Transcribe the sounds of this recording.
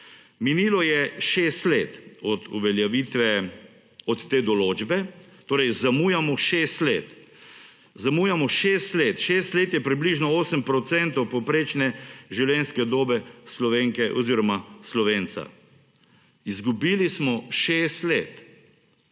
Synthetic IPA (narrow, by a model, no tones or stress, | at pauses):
miniːlɔjɛʃeːst̪leːt̪ɔd̪ṵʋɛljɛʋit̪ʋɛ | ɔt̪ːeːd̪ɔloːd͡ʒbɛt̪oːɾɛjzamuːjamɔʃeːst̪leːt̪ | zamuːjamɔʃeːst̪let̪ʃeːst̪leːt̪jɛpɾibliʒnɔoːsəmpɾɔt̪sɛnt̪ɔwpɔpɾeːt͡ʃnɛʒiwljɛnskɛd̪oːbɛslɔʋeːŋkɛʔɔ̰ziːɾɔmaslɔʋeːnt̪sa̰ | izɡubiːlismɔʃeːst̪leːt̪